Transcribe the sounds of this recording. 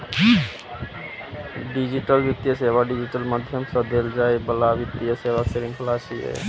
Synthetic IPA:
ɖid͡ʒiʈəlbit̪jəseʋaɖid͡ʒiʈəlməd̪ʱjəmsə̃d̪eld͡ʒaːebəlaʋit̪ijəseʋaseɾĩŋkʰlaːsiɦḛ

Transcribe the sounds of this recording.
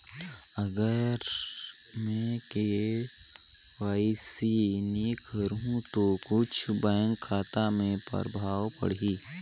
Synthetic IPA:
əɡəɾ | mẽːke | waːɪsinikʰəɾɦũt̪okʊt͡ʃʰbɛ̃ːŋkʰːaːt̪amẽpə̰ɾbʱaːwpə̰ɽiː

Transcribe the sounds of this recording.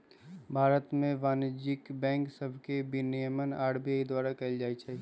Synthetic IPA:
bʱaːɾət̪mẽʋaːnd͡ʒɪkbɛ̃ːŋksəbʱkebinijəmənaːɽbijaid̪waːɾakɐld͡ʒaːit͡ʃʰɛ

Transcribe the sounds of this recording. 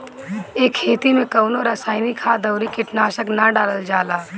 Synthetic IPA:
eːkʰːeːt̪imẽkəʊnoɾəsaːɪnikʰaːd̪əʊɾikɪʈnaːʃəknɐɖaːləld͡ʒaːlaː

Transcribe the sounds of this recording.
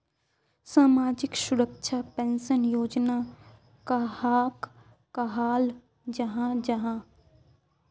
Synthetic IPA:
saːmaːd͡ʒɪkʃʊɾəkʃʰapɛːnsənjoːd͡ʒna | kahaːk | kaɦaːl | d͡ʒɐɦãd͡ʒɐɦã

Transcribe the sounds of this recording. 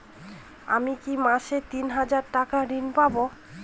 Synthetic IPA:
a̰mikimaʃet̪inɦad͡ʑaɾʈakaɾinpabo

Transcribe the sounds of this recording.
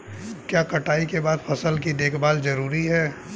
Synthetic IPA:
kjaːkɐʈaːikebaːd̪pʰɐsəlkid̪eːkʰbaːlzɐɾuːɾiɦɛː

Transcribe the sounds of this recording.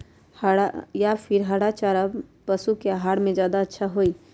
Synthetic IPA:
hɽajapʰɪɾɦəɽat͡ʃaːɾapəsukeaɦaːɽmẽd͡ʒjaːd̪aətːʃʰaɦoi

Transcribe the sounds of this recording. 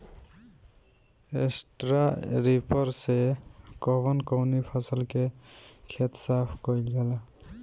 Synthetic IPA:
ḛsʈɾaɾipʌɾsekɔbʌnkɔwnipʰʌsəlkekʰet̪sapʰkɔild͡ʒʱala

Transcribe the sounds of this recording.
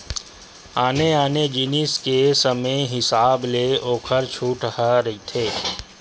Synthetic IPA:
aːneaːned͡ʒɪniskesəməjɦɪsaːbleoːkʰəɾt͡ʃʰuːʈhaɾəit̪ʰeː

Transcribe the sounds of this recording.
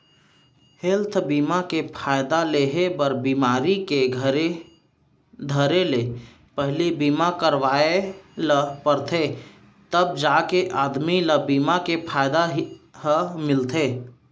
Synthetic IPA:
helt̪ʰbiːmakepʰaːjd̪aleɦebəɾbiːmaːɾikeɡʱəɾe | d̪ʱəɾele | pəɦlibiːmakəɾʋaːeləpəɾt̪ʰe | t̪əbd͡ʒaːkeʔaːd̪miləbiːmakepʰaːjd̪aɦɦəmɪlt̪ʰeː

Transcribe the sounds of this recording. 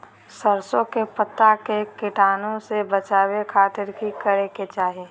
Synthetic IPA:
səɾsõkepət̪ːakekɪʈaːnõsebət͡ʃaːwekʰaːt̪ɪɾkikəɾeket͡ʃaːɦeː

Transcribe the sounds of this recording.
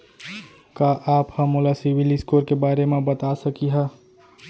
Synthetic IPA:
kaːʔaːphɐmʊlasɪʋɪliskoːɾkebaːɾemẽbɐt̪asɐkiɦɛː

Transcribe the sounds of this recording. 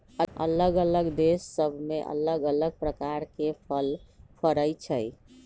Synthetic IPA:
ə̰ləɡələɡd̪esːəbʱmeʔə̰ləɡələɡ̚pɾəkaɾkepʰəlpʰəɾəjt͡ʃʰəj

